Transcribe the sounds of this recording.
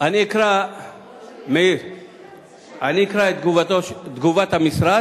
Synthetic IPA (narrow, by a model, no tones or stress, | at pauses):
ɐneːkʰɾa | me | ɐneːkʰɾad̪ɡuʋt̪od̪ɡuʋɐt̪ɐmisɾa